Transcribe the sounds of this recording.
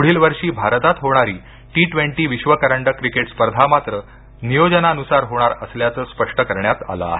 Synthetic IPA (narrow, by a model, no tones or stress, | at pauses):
uɽ̤iːlʋəɾʂiːbʱaɾət̪at̪ɦoɽ̃aɾiː | ʈiʈʋeɳʈiːʋiɕʋəkəɾəɳɖəkɾikeʈspəɾd̪ʱamat̪ɾə | nijod͡ʑənaənusaɾɦoɽ̃aɾəsljat͡səːspəʂʈəkəɾɳjat̪a̰lə̰ɦe